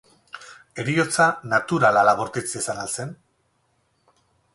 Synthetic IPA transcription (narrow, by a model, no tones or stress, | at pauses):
e̞ɾio̞t͡sanat̪uɾalalaɣoɾt̪it͡sesanalse̞n